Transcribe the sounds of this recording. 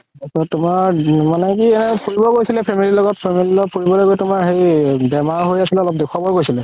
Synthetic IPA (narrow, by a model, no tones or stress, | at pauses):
tɔtʊmaɹmanɛkiɛnɛpuɹibɔɡojsilɛpʰemililɔɡɔtpʰemililɔpuɹibɔlojɡojtʊmaɹɦejbɛmaɹɦojasilɛɔlɔp̚dekʰabɔɡojsilɛ